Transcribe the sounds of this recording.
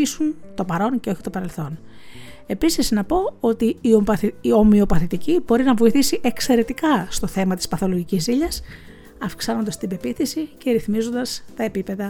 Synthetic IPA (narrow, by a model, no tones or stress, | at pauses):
isunt̪o̞pɐɾo̞nceoçit̪o̞pɐɾe̞lθo̞n | e̞pisiznɐpo̞o̞t̪iːoo̞mio̞pɐθit̪icibo̞ɾinɐvo̞iθisiʔe̞kse̞ɾe̞t̪ikɐst̪o̞θe̞mɐt̪i̥spɐθo̞loʝicisiʎɐs | ɐfksɐno̞nd̪ɐst̪ibe̞piθisice̞ɾiθmizo̞nd̪ɐst̪ɐe̞pipe̞ðɐ